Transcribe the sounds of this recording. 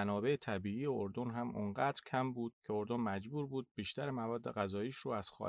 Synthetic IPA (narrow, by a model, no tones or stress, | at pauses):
ænɒːbe̞et̪ʰæbiːiːjeoɾd̪onɦæmoŋɢæːd̪ɾcʰæmbuːd̪̥̚cʰe̞o̞ɾd̪onmæd͡ʒbuːɾbuːd̪̥̚biːʃt̪æɾemævɒːd̪ːe̞ɣæzɒːiːʃɾuːæz̥xɒ̰